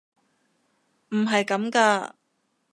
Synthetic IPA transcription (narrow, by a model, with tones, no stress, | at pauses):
m̩˨˩ɦɐ˨jkɐ˨˥mkaː˧